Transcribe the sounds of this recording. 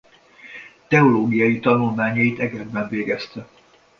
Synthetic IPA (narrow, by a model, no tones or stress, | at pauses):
t̪ɛoloːɡijɒjit̪ɒnulmaːɲɒjit̪ɛɡɛd̪bɛɱveːɡɛst̪ɛ